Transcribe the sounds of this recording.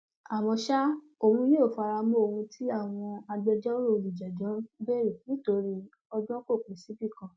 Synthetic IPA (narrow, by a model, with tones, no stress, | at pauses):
a˨mɔ̃˧ʃa˦ | o˨wũ˧˦je˦o˨fa˧ɾa˧mɔ̃˦o˧hũ˧tʰi˦a˦˨w̃ɔ̃˧a˧ɡ͡bɛ˧d͡ʒɛ˦o˦ɾo˦˧li˨d͡ʒɛ˨dɔ̃˨˦be˦ɾi˨nĩ˦to˧˦ɾi˦ | ɔ˧ɡ͡bɔ̃˦ko˦˨ke˨si˨˦bi˦˨kã˧˦